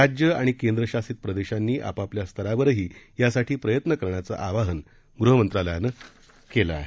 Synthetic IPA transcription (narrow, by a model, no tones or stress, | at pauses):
ad͡ʑjəaɽ̃ikend̪ɾəɕasiːt̪̚pɾəd̪eɕanːiːʔa̰papljast̪ʰəɾaʋəɾɦiːjasaʈʰiːpɾəjət̪nəkəɾɳat͡sa̰ʔaʋaɦən | ɡɾuɦəmənt̪ɾaləjanə | kela̰ːɦe